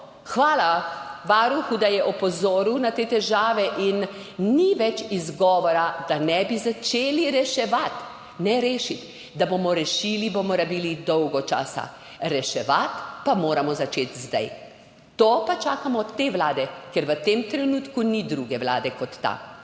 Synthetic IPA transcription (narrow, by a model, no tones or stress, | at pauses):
xʋaːlaʋaɾuxud̪ajɛʔɔpɔzoːɾiwnat̪eːt̪ɛʒaːʋɛʔinː | iʋɛt͡ʃizɡɔːʋɔɾad̪anɛbizat͡ʃeːliɾɛʃɛʋat̪ | nɛɾeːʃit̪ | d̪abomɔɾɛʃiːlibomɔɾabiːlid̪ɔwɡɔt͡ʃa̰ːsa̰ | ɾɛʃɛʋat̪pamoːɾamɔzat͡ʃet̪zd̪a̰j | t̪oːpat͡ʃaːkamɔt̪eːʋlaːd̪ɛkɛɾʋət̪emt̪ɾɛnuːt̪kunid̪ɾuːɡɛʋla̰ːd̪ɛkɔt̪ːa̰